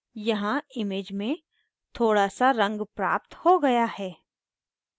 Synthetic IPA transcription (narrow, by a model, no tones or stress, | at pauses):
jɐɦãɪmeːd͡ʒmẽ | t̪ʰoːɽasaɾɐ̃ŋɡpɾa̰ːpt̪hoɡɐjahɛː